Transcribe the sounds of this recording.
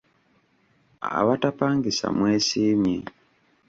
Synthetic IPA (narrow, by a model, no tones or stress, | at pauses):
a̰βatapaːŋɡisa̰mweːsiːmje